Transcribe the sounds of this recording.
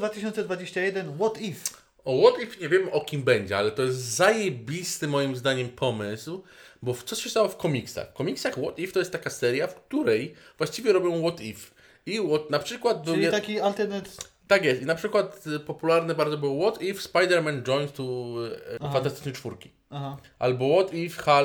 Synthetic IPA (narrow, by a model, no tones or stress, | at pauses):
d̪vat̪ɘɕ̬ɔnt̪sɛd̪vad͡ʑeɕt͡ɕajɛd̪ɛnwɔt̪if | ɔwɔt̪ifɲɛvʲjɛmʔɔkʲimbɛɲd͡ʑɛalɛt̪ɔjɛs̬t̪zajebʲist̪ɘmːɔjimzd̪aɲɛmpʰɔmɘswbɔft̪sɔɕɛst̪awɔfkɔmʲiksa̰xkːɔmʲiksaxwɔt̪ift̪ɔjɛst̪ːakasɛɾjafkt̪uɾɛjvwaɕt͡ɕivʲjɛɾɔbʲjɔ̃w̃wɔt̪if | iwɔt̪napʂɘkwad̪̚bit̪akʲialt̪ɛnɛt̪ | t̪ːakjɛst̪inapʂɘkwat̪pɔpulaɾnɨbaɾd̪zɔbɘwɔwɔt̪ifspajd̪ɛɾmɛnd͡ʒɔjnt̪t̪u | ffãnt̪ast̪ɘ̥t͡ʂnɛjt͡ʂfuɾkʲi̥ | aɦaʔa̰lbɔwɔt̪ifxa